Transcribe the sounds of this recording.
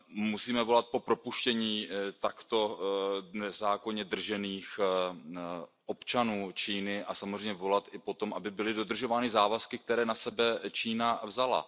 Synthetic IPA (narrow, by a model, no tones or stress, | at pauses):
musiːmɛvo̞lat̪̚po̞pɾo̞puʃcɛɲiːt̪akt̪o̞ | nɛzaːko̞ɲɛd̪r̩ʒɛniːx | ʔo̞pt͡ʃanuːt͡ʃiːnɪʔasamozrɛjɲɛvo̞lat̪ʔɪpo̞t̪o̞mʔabɪbɪlɪdo̞d̪r̩ʒo̞vaːnɪzaːvaskɪk̚t̪ɛɾɛːnasɛbɛt͡ʃiːnavzala̰